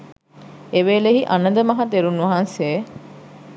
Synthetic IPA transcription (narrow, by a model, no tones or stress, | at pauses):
eʋeːleɦiʔɐnɐd̪əmɐɦɐt̪eɾunuɐɦɐnse